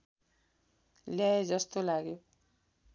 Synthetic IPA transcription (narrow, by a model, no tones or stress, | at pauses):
ljaed͡zʌst̪olaɡjo